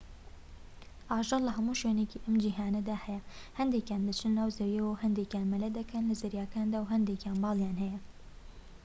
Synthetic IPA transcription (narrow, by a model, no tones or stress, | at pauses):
ʔɑːʒɑllɐɦɐmuʃweːnekiʔɐmd͡ʒiːɦaːnɐd̪aːhɛjɛhɐnd̪eːkjaːnd̪ɐt͡ʃʰɨnnaːwzɐwjɛwɐwhɐnd̪eːkjaːnmɐlɐd̪ɐkʰɐnlɐzɐɾjaːkaːnd̪aːwɦɐnd̪eːkjaːnbɑːlˠjaːnhɛjɛ